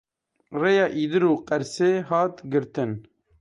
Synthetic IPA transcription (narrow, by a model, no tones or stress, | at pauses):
reːjɑːʔiːd̪ɨɾuːqɛɾseːɦɑːt̪ɡɨɾt̪ɨn